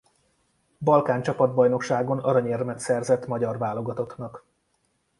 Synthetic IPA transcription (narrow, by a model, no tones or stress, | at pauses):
bɒlkaːnt͡ʃɒpɒd̪̚bɒjno̞kʃaːɡo̞nɒɾɒɲermɛt̪sɛrzɛt̪ːmɒɟɒrvaːlo̞ɡɒt̪o̞knɒk